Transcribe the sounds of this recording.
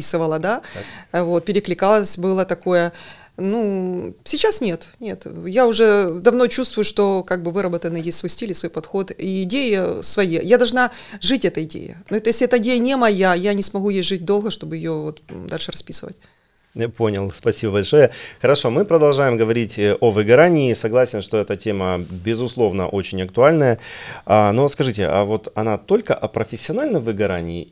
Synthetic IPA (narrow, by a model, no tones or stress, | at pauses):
isɨvəlˠəd̪avo̞t̪̚pʲɪɾʲɪklʲɪkalˠəsʲbɨlˠət̪ɐko̞jə | nusʲɪt͡ɕasnʲe̞t̪nʲe̞t̪jaʊʐɛd̪ɐvno̞t͡ɕust̪vʊjʊʂt̪o̞kaɡ̚bɨvɨɾəbət̪ənːɨjesʲtʲsvo̞jsʲtʲilʲɪsvo̞jpɐt̪xo̞t̪iːdʲejɪsvɐjejad̪ɐlˠʐna | ʐɨtʲɛt̪əɪdʲḛjɪ̰noɛt̪əjeslʲɪɛt̪əɪdʲejənʲɪmɐjajanʲɪsmɐɣujejʐɨt̚ʲd̪o̞lˠɣəʂt̪o̞bɨjɪjovot̪d̪alʲʂɨɾɐspʲisɨvə̰tʲ | japo̞nʲɪlˠspɐsʲibəbɐlʲʂo̞jəxəɾɐʂo̞mɨpɾəd̪ɐlˠʐajɪmɡəvɐɾʲitʲəʔovɨɡɐɾanʲɪːsɐɡlˠasʲɪnʂt̪oɛt̪ətʲeməbʲɪzʊslˠo̞vnə̰ʔot͡ɕɪnʲɐk̚t̪ʊalʲnəjəanoskɐʐɨtʲɪ̰ʔa̰vo̞t̪ɐnat̪o̞lʲkəʔɐpɾəfʲɪsʲːɪɐnalʲnəmvɨɡɐɾa̰nʲɪː